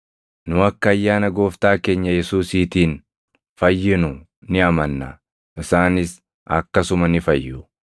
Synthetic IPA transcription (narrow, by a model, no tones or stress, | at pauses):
nʊɐkːɐːjːaːnɐɡo̞ːft̪aːke̞ːɲːɐjɛsuːsiːt̪iːn | fɐjːɪnʊ | nɪɐmɐnːɐ̰ | ʔɪsaːnɪs | ɐ̰kːɐsʊmɐnɪfɐjːʊ